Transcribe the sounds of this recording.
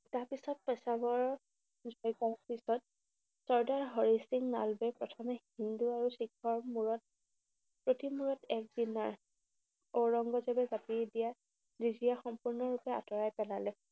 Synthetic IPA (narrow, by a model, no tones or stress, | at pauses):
taɹpisɔt̚pɔsabɔɹ | zʱɔjkapisɔt̚ | sɔɹdaɹɦɔɹisiŋna̰lbɛpɹɔtʰɔmɛhinduaɹuxikʰɔɹmuɹɔt̚ | pɹotimuɹɔtɛk̚dinaɹ | oɹɔŋɡɔzɛbɛzapidija | ɹizijaxɔmpuɹnɔɹupɛa̰tɔɹajpɛlalɛ